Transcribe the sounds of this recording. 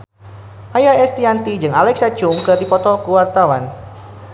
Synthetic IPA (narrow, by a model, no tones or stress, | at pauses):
ʔajaɛst̪iant̪id͡ʒɨŋalɛksḁt͡ʃʊmkɨrdipɔt̪ɔkuwart̪awan